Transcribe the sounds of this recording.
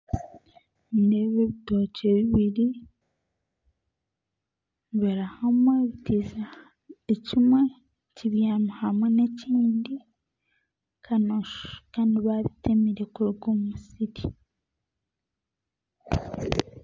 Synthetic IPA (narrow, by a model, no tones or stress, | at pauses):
indeβeβitoceβiβiɾi | βeɾahamweβitiza | ecimwe | ciβjanuhamweneciːndi | kʰanoʃkaːndiβaβitʰemiɾekoɡomusiɾi